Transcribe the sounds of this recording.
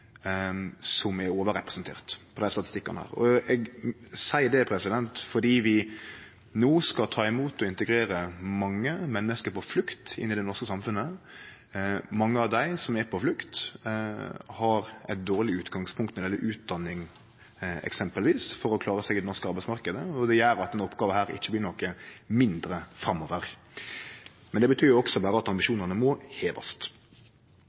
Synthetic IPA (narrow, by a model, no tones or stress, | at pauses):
sɔmɛɾoːʋəɾɛpɾəsnt̪ʰḛːʁt̪pʰɔd̪æɪst̪ɑt̪ɪst̪ɪkːɑnəhæ̰ːɾɔ̰ɛɡsæɪd̪ɛpʰɾɛsɪd̪ɛnt̪fɔɖiːʋɪ | noːskɑt̪ʰɑːɪmuːt̪ɔɪnt̪əɡɾeːɾəmɑŋːəmɛnːəskəɾpɔflʉkt̪ɪ̰nːɪd̪ɛnɔɾskəsɑmfʉnːə | mɑŋːəɑʋd̪æɪsɔmɛɾpʰɔflʉkt̪ | hɑɾæ̰ɪt̪̚d̪oːɾlɪʉːt̪ɡɑŋspʰʊŋkt̪nɛd̪ɪɛlːəʔʉːt̪̚d̪ɑnːɪŋ | ɛ̰ksɛmpəlʋiːsfɔɾɔkʰlɑːɾəsɛɡɪd̪ɛnɔɾskəɑɾbæɪtsmɑɾkəd̪əɔd̪ɛjæːɾɑt̪ːɛnɔpːɡɑːʋəhæːɾɪ̰çːəblɪːnɔkːəmɪnd̪ɾəfɾɑmːɔːʋəɾ | mɛnd̪ɛbət̪ʰyːɾjʊɔksɔbɑːɾəɑt̪ɑmbɪʃuːnəɾnəmɔheːʋɑ̰st̪